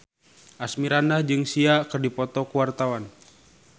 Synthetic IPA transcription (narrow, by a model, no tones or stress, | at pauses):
ʔasmiɾanlahd͡ʒɨŋsiakɨrdipɔt̪ɔkuwart̪awan